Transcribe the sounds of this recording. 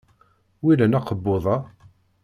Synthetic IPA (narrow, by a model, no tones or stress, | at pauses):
wilænɑqəbːoðˤɑ